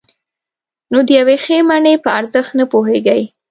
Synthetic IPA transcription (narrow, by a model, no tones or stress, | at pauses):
nod̪əjawexemaɳepəaɾzəxt̪napoɦeɡaj